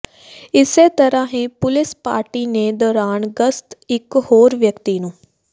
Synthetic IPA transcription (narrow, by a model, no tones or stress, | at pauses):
ɪseːt̪əɾãːɦẽːpʊlɪspa̰ːɾʈiːneːd̪ɔːɾaːnɡəst̪ɪkhoːɾʋjəkt̪iːnũː